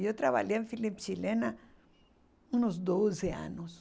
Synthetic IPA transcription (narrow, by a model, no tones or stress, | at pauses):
ot̪ɾaβa̰ʎiẽɱfilipt͡ʃilena | ũnozd̪ozea̰nos